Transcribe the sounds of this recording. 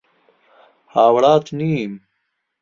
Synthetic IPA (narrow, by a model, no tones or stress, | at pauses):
haːwɽaːt̪niːm